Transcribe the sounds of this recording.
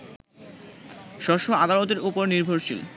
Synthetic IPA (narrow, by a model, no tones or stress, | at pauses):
ʃɔʃoad̪alot̪eɾupoɾniɾbʱoɾʃḭl